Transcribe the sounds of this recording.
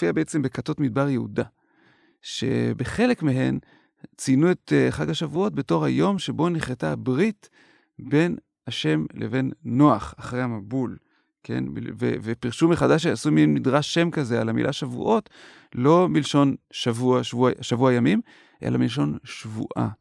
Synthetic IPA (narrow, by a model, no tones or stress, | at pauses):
fiabeet͡sembe̞kato̞tmid̚baʁjehuda | ʃe̞̰be̞χe̞le̞kmeɦe̞n | t͡sinuetχaɡaʃavuo̞t̚be̞to̞χhajo̞mʃebo̞niχletabʁit | be̞n | aʃe̞mlʔḛve̞nːo̞aχaχʁejhamabul | ke̞̰nḭvḛvepiʁʃumːeχadaʃ̬easuminmidʁaʃːe̞mkazealamḭlʔaʃavṵʔo̞t | lo̞milʃo̞nʃavuaʃvuaʃavuajamim | ʔe̞̰lamilʃ̬o̞nʃvṵʔa̰